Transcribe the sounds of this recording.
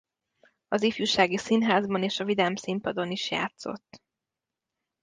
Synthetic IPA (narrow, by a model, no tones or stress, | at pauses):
ɒzifjuʃaːɡisinɦaːzbɒneːʃɒvid̪ɛmsimpɒd̪o̞niʃja̰ːt̪so̞̰t̪ː